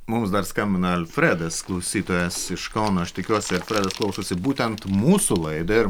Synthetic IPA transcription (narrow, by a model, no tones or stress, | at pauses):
mʊmsd̪ɐɾskɐmʲbʲɪnɐɐlʲfʲɾʲæd̪ɐsklˠɐʊsʲiːt̪oːjɛsɪʃkɐʊnoɐʃt̪ʲɪkʲuɔsʲɪɐlʲfʲɾʲæːd̪ɐsklˠɐʊsosʲɪbuːt̪ʲɛnt̪muːsulˠɐɪd̪oɪɾ